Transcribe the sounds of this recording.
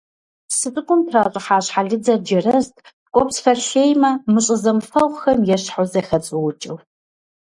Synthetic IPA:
sɨtʼɨkʷʼʊmtʰraːɕʼɪħaːɕħaɮɨd͡zɐd͡ʒɐrɐztʼ | kʷʼɔpsfɐrɬeːjmɐmɨɕʼɪzɐmfɐʁʷxɐmjɛɕħʊzɐxɐt͡sʼɨwʊt͡ʃʼɪw

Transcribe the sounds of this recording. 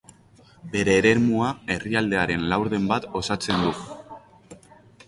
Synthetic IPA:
be̞ɾe̞ːɾe̞ɾmuae̞riald̪e̞aɾe̞nlawɾðe̞mbat̪o̞sat͡se̞nd̪u

